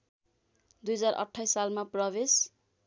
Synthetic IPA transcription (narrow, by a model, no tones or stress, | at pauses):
d̪ujʌd͡zarʔʌ̰ʈʰːajsalmaprʌbes